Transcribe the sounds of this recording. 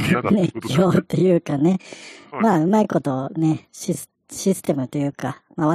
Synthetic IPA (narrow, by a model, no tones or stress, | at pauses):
nekʲʰoːt̪ːe̞jɯ̟ːkane̞maːɯ̟maiko̞t̪o̞ne̞ɕi̥ | ɕisɨ̥t̪e̞mɯ̟t̪o̞jɯ̟ːkamaːβa